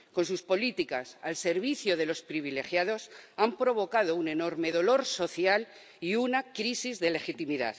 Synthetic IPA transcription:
ko̞ns̬uspo̞lit̪ikasalse̞ɾβiθjoð̞e̞lo̞spɾiβ̞ile̞xjaðo̞sampɾo̞β̞o̞kað̞o̞une̞no̞ɾme̞ðo̞lo̞ɾso̞θjal | iunakɾisizðe̞le̞xit̪imiða̰ð

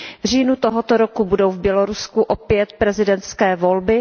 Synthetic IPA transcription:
vr̝iːnut̪oɦot̪oɾokubudowvbjɛloɾuskuʔopjɛt̪̚pɾɛzɪdɛnt̪skɛːvo̞lbɪ

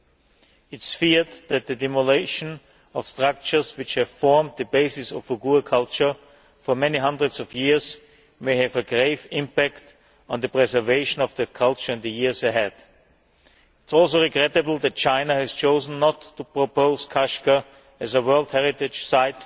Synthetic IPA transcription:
ɪtsfiɹd̪̚ðɨt̪̚ðɨdɪməleɪʃə̃n | ɔv̥stɹ̥ak̚t͡ʃə˞zwɨt͡ʃhɨv̥fɔɹm̚ðɨbeɪsɪsɔvəɡuəkʰʌlˠt͡ʃə˞ | fɔ˞mɛniɦʌ̃ndɹɨdzɔvjɪɹz | meɪhɨvəɡɹeɪvɪ̃mpækt | n̩ðɨpɹɛzə˞veɪʃə̃nɔvðɨkʰʌlˠt͡ʃə˞ɨ̃nðɨjɪɹzɨɦɛd̥ | ɪtsɔlˠs̬oʊɹɨɡɹɛtɨbl̩ˠðɨt̚t͡ʃãɪ̃nəhɨz̥t͡ʃʰoʊzn̩ːɔtːupʰɹ̥opʰoʊzkʰaʃkə | ɨzəwɜ˞lˠd̚hɛɹɪtɪ̥d͡ʒ̥saɪt

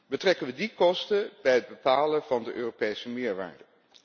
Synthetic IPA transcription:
bətrɛkənʋədikɔstəbɛjɦəd̚bəpaːləvɑndəʔøːropejsəmɪːɹʋa̰ːɹdə

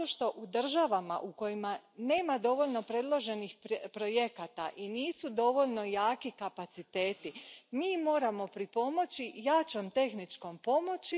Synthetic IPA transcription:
oʃt̪o̞ʔud̪r̩ʒaʋama̰ʔuko̞jimane̞ːmad̪o̞ʋo̞ʎno̞pɾe̞d̪lˠo̞ʒe̞nixppɾo̞je̞kat̪a̰ʔiniːsud̪o̞ʋo̞ʎno̞jaːkikapat̪sit̪e̞ːt̪imiːmo̞ːɾamo̞pɾipo̞mo̞t͡ɕijat͡ɕo̞mt̪e̞xnit͡ʃko̞mpo̞mo̞t͡ɕi

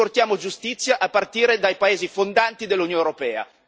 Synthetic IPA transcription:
ort̪jaːmod͡ʒust̪it̪sːjaʔapːart̪iːɾed̪ajpaeːzifond̪ant̪id̪elːunjonewɾopɛːa̰

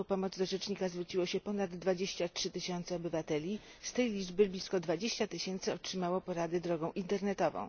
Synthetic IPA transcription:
pɔmɔd̪zd̪ɔʐɛt͡ʂɲikazvɾut͡ɕiwɔɕɛpɔnad̪ːvad͡ʑeɕt͡ɕatʂɘt̪ɘɕɔnt̪sɛɔbɘvat̪ɛlʲist̪ɛjlʲid͡ʐbɘblʲiskɔd̪vad͡ʑeɕt͡ɕat̪ɘɕɛnt̪sɘɔtʂɘmawɔpɔɾad̪ɘd̪ɾɔɡɔ̃w̃ʔint̪ɛɾnɛt̪ɔvɔ̰̃w̃

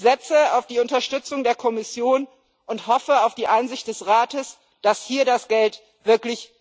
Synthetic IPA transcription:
z̥ɛt͡səaʊfd̥iːʊntɐʃtʏt͡sʊŋdeːɐkʰɔmɪsjoːn | ʔʊnthɔfəaʊfd̥iːʔaɪnzɪçt̚d̥ɛsʁaːtəs | d̥ashiːɐdasɡ̥ɛlt | v̥ɪɐklɪç

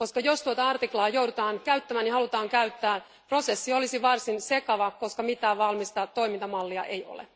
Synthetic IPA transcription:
koskɑjost̪uot̪ɑɑrt̪iklɑːjowdut̪ɑːnkæyt̪ːæmæːnihɑlut̪ɑːŋkæyɥt̪ːæː | pro̞sesːiolisiʋɑrsinsekɑʋɑko̞skɑmit̪æːʋɑlmist̪ɑt̪o̞imint̪ɑmɑlːiɑʔe̞jo̰lḛ

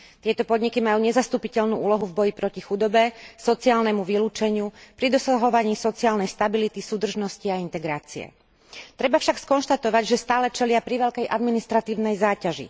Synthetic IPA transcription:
t̪ɪɛt̪ɔpɔd̪ɲikimajuːɲɛzast̪uːpicɛʎnuːuːlɔɦuvbɔjipɾɔcixud̪ɔbɛsɔt͡siaːlnɛmuʋiluːt͡ʃɛɲɪupɾid̪ɔsaɦɔʋaɲiːsɔt͡siaːlnɛjst̪abilit̪isuːd̪r̩ʒnɔsciaint̪ɛɡɾaːt͡siɛ̰ | t̪ɾɛbafʃakskɔnʃt̪at̪ɔʋaɟʒɛst̪aːlɛt͡ʃɛlɪapɾiʋɛʎkɛjʔad̪minist̪ɾat̪iːʊnɛjzaːcaʒḭ

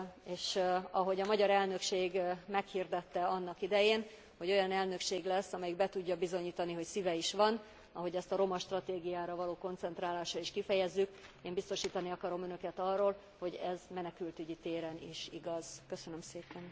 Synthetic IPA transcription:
eːʃɒɦo̞ɟɒmɒɟɒɾɛlnø̞kʃeːɡmɛkhird̪ɛt̪ːɛɒnːɒkid̪ɛjeːn | ho̞ɟo̞jɒnɛlnø̞kʃeːɡlɛsːɒmɛjiɡbɛt̪uɟːɒbizo̞ɲiːt̪ɒniɦo̞csivɛiʃʋɒn | ɒɦo̞ɟɛst̪ɒɾo̞mɒʃt̪rɒt̪eːɡijaːɾɒvɒloːko̞nt̪sɛnt̪raːlaːʃɒiʃkifɛjɛzːykeːmbist̪o̞ʃiːt̪ɒniɒkɒɾo̞mønø̞kɛt̪ɒrːoːl | ho̞ɟɛzmɛnɛkylt̪yɟit̪eːɾɛnḭʃiɡɒz̥køsønømseːpɛn

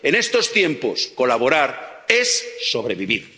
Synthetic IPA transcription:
e̞ne̞st̪o̞st̪je̞mpo̞skolaβo̞ɾaɾe̞sːo̞βɾe̞βiβiɾ

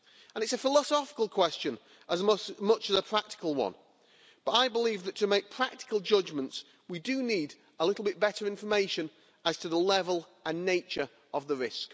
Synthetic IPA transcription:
ə̃nɨtsəfɪləsɒfɪ̥kəl̩ˠkʰw̥ɛst͡ʃɨ̃n | ʔəzmʌt͡ʃəzəpʰɹ̥ak̚tɪ̥kəlˠwʌ̰̃n | b̥ʌɾaɪbəliːvðətʰəmeɪk̚pʰɹ̥ak̚tɪ̥kəlˠd͡ʒʌd͡ʒmə̃nts | widɨniːd | əlɪɾˡl̩ˠbɪt̚b̥ɛɾəɹɪ̃ɱfə˞meɪʃɨ̃n | ʔəz̥tʰəðəlɛvəlˠ | ə̃nːeɪt͡ʃə˞ | ʔəvðəɹɪsk

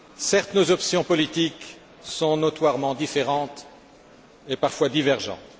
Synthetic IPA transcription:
sɛʁt̪nozɔpsjɔ̃pɔlit̪ik | sɔ̃nɔt̪waʁmɑ̃d̪ifeʁɑ̃t̪ | epaʁfwad̪ivɛʁʒɑ̰̃t̪

